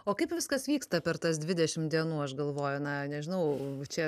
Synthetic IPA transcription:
oːkɐɪpʋʲɪskɐsʋʲiːkst̪ɐpʲɛrt̪ɐsd̪ʲʋʲɪd̪ʲɛʃʲɪmd̪ʲiɛnuːɐʃɡɐlˠʋoːjʊnɐnʲɛʒʲɪnɐʊt͡ʃʲɛ

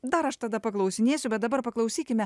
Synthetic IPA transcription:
d̪ɐɾɐʃt̪ɐd̪ɐpɐklˠɐʊsʲɪnʲeːsʲʊbʲɛt̪̚d̪ɐbɐɾpɐklˠɐʊsʲiːkʲɪmʲɛ

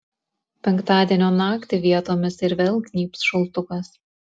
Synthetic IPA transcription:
pʲɛŋkt̪ɑːd̪ʲiɛnʲoːnɑːkt̪ʲɪʋʲiɛt̪oːmʲɪsɪɾʋʲeːlˠɡʲnʲiːpsʃʊlˠt̪ʊkɐs

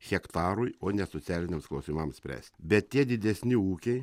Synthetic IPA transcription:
xʲɛkt̪ɑːɾʊjoːnʲɛsot̪sʲæːlʲɪnʲeːmsklˠɐʊsʲimɐmsʲpʲɾʲæ̰ːsʲt̪ʲbʲɛt̪tʲiɛd̪ʲɪd̪ʲɛsʲnʲɪuːkʲɛɪ

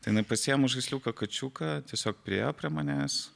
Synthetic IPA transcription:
t̪ɐɪjɪnɐɪpɐsʲiːjomʊʒʒɐɪsʲlʲuːkɐkɐt͡ʃʲuːkɐt̪ʲiɛsʲoːk̚pʲɾʲijopʲɾʲiɛmɐnʲeːs

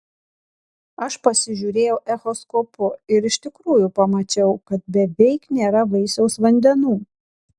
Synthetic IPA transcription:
ɐʃpɐsʲɪʒʲuːɾʲeːjɛʊʔɛxɔskɔpʊɪɾɪʃt̪ʲɪkɾuːjʊpɐmɐt͡ʃʲɛʊkɐt̪̚bʲɛʋʲɛɪknʲeːɾɐʋɐɪsʲɛʊsʋɐnʲd̪ʲɛnuː

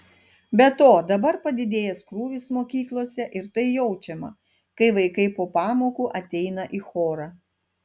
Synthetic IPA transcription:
bʲɛt̪oːd̪ɐbɐɾpɐd̪ʲɪd̪ʲeːjɛskɾuːʋʲɪsmoːkʲiːklˠoːsʲɛʔɪɾt̪ɐɪjɛʊt͡ʃʲɛmɐ̰ | kɐɪʋɐɪkɐɪpoːpɑːmoːkuːʔɐt̪ʲɛɪnɐʔiːxoːɾɑː

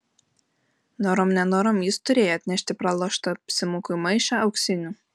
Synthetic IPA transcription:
noɾomnʲɛnoːɾomjɪst̪ʊɾʲeːjoːɐt̪ʲnʲɛʃʲt̪ʲɪpɾɑlˠoːʃt̪opʲsʲɪmuːkʊmɐɪʃɑɐʊksʲɪnʲuː

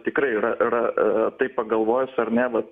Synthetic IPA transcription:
t̪ʲɪkɾɐɪɪɾɐʔɪɾɐt̪ɐɪppɐɡɐlˠʋoːjʊsɐɾnʲɛʋɐt̪

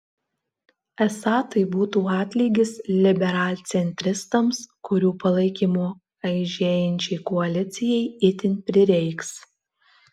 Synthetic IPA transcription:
ɛsɑːt̪ɐɪbuːt̪uːɑːt̪ʲlʲiːɡʲɪslʲɪbʲɛɾɑːlʲt̪sʲɛnʲt̪ʲɾʲɪst̪ɐmskʊɾʲuːpɐlˠɐɪkʲiːmoː | ɐɪʒʲeːjɛnʲt͡ʃʲɛɪkɔɐlʲɪt̪sʲɪjɛɪɪt̪ʲɪnpʲɾʲɪɾʲɛɪks

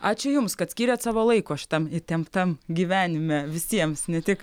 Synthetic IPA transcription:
ɑːt͡ʃʲʊjʊmskɐt̪sʲkʲiːɾʲɛːt̪sɑːʋoːlˠɐɪkoːɐʃʲt̪ɐmɪt̪ʲɛmpt̪ɐmɡʲiːʋʲæːnʲɪmʲæʋʲɪsʲiɛmsnʲɛt̪ʲɪk

